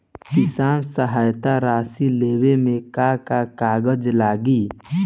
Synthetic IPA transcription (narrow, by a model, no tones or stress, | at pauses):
kɪsaːnsəɦaːjt̪aɾaːsileːwemẽkakakaːɡəd͡ʒlaːɡiː